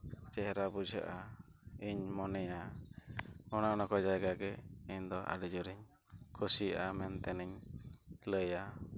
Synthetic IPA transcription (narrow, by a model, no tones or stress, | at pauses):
t͡ʃɛɦɛɾabud͡ʒə̰ʔaiɲmɔnɛja | ɔnanɔkɔd͡ʒajɡaɡɛiɲd̪ɔʔa̰ɽid͡ʒɔɾiɲ | kʰusijʔamɛnt̪ɛniɲ | ləja